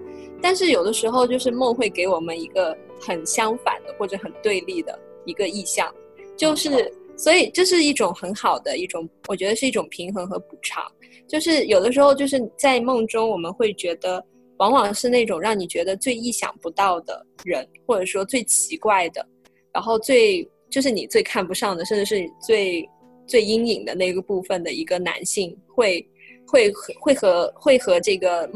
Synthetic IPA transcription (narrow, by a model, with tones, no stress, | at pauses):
t̪a˥˧nʂɻ̩˥˩jo˨˩ʊd̪ə˦ʂɻ̩˧˥xo˧ʊt͡ɕjo˥˧ʊʂ̬ɻ̩˥˧mɤ˥˧ŋxwe˥˩ɪke˧˥ɪwɔ˨˩mə˦ni˧˥ɡə˧ | xə˨˩nɕjɑ˥ŋfa̰˨˩nd̪ə˦xwɔ˥˩ʈ͡ʂɤ˨˩xə˨˩nt̪we˥˧ɪli˥˩d̪ə̰˩ | i˧˥ɡə˧i˥˧ɕjɑ̰˥˩ŋ | t͡ɕjo˥˧ʊʂɻ̩˥˩swɔ˧˥i˨˩ʈ͡ʂɤ˥˧ʂ̬ɻ̩˥˧i˥˩ʈ͡ʂʊ˨˩ŋxə˧˥nxɑ˨˩ʊd̪ə˦i˥˩ʈ͡ʂʊ˨˩˦ŋwɔ˨˩t͡ɕɥɛ˧˥d̪ə˧ʂɻ̩˥˧i˥˩ʈ͡ʂʊ˨˩ŋpʰi˧˥ŋxɤ˧˥ŋxɤ˧˥pu˨˩ʈ͡ʂʰɑ̰˧˥ŋ | t͡ɕjo˥˧ʊʂɻ̩˥˩jo˨˩ʊd̪ə˦ʂɻ̩˧˥xo˥˧ʊt͡ɕjo˥˧ʊʂɻ̩˥˩ni˨˩t͡sa˥˧ɪmɤ˥˩ŋʈ͡ʂʊ˥ŋwɔ˨˩mə˦nxwe˥˩ɪt͡ɕɥɛ˧˥d̪ə˧ | wɑ˧˥ŋwɑ˨˩ŋʂɻ̩˥˧ne˥˩ʈ͡ʂʊ˨˩ŋɻɑ˥˩ŋni˨˩t͡ɕɥɛ˧˥d̪ə˧t͡swe˥˧ɪi˥˩ɕjɑ̰˨˩ŋpu˧˥t̪ɑ˥˩ʊd̪ə̰˩ɻə˧˥nxwɔ˥˩ʈ͡ʂɤ˨˩ʂwɔ˥t͡swe˥˩ɪt͡ɕʰi˧˥kwa˥˩ɪd̪ə̰˩ | ɻa˧˥nxo˥˧ʊt͡swe˥˧ɪt͡ɕjo˥˧ʊʂ̬ɻ̩˥˩ni˨˩t͡swe˥˧ɪkʰa˥˩npu˧˥ʂɑ˥˩ŋd̪ə˩ʂə˥˧ʈ͡ʂɻ̩˧˩ʂɻ̩˥˩ni˨˩t͡swe˥˩ɪ | t͡swe˥˩ɪi˥ŋi˨˩ŋd̪ə̰˦na˥˩ɪ˧ɡə˧˦pu˥˩fə˩nd̪ə˩i˧˥ɡə˧na̰˧˥nɕi˥˧ŋxwe˥˩ɪ | xwe˥˩ɪxxwe˥˩ɪxɤ˧˥xwe˥˩ɪxɤ˧˥ʈ͡ʂɤ˥˩ɡə˩